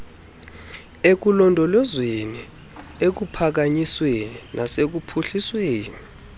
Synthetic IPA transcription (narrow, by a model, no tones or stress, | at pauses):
ek̬ulɔndʱɔlɔzweni | ek̬upʰak̬aɲisweninʔasek̬upʰuɬisweːni